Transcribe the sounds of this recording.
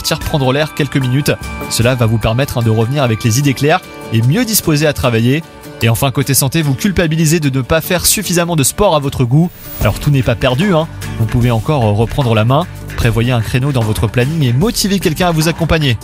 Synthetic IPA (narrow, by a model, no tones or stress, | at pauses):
t̪iʁpχɑ̃d̪ʁəlɛʁkʲɛlkəminyt̪səlavavupɛʁmɛt̪χɛ̃d̪əʁəvniʁavɛklezid̪eklɛːʁ | emjød̪ispozeat̪χavajeː | ɑ̃fɛ̃kot̪esɑ̃t̪evukʲylpabilized̪ənəpafɛʁsyfizamɑ̃d̪əspɔʁavɔt̪χəɡu | alɔ̰ʁt̪unɛpapɛʁd̪yɛ̃vupuveɑ̃kɔʁːəpχɑ̃d̪ʁəlamɛ̃ | pχevwajeɛ̃kχenod̪ɑ̃vɔt̪χəplaniŋemɔt̪ivekʲɛlkʲɛ̃avuzakɔ̃paɲe